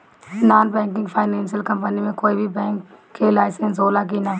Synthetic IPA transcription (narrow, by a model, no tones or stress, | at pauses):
naːnbɛ̃ːŋkɪ̃ŋɡpʰaːɪnɛ̃ːnsiəlkɐ̃mpənimẽkoːibʱibɛ̃ːŋkkːelaːɪsə̃nsoːlak̬ina